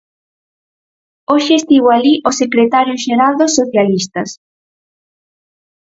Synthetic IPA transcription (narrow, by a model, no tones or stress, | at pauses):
oʃeːst̪iɣoaliʔosekɾet̪aɾjoʃeɾald̪osoθjalist̪ɐs